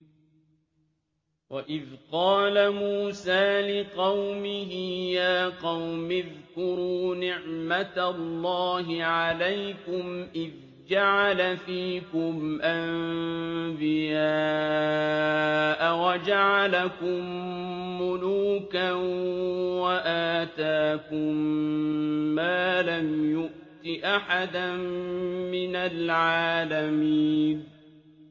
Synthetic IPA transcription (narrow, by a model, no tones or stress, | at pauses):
waʔɪðqɑːlamuːsaːlɪqɑwmɪɦɪjaːqɑwmɪðkʊɾuːnɪʕmat̪alːɑːɦɪʕalajkʊmʔɪð | d͡ʒaʕalafiːkʊmʔamm | bɪjaː | ʔawad͡ʒaʕalakʊmː | ʊluːkanwaʔaːt̪aːkʊmː | aːlamjʊʔt̪ɪʔaħad̪anmɪnalʕaːlamiːn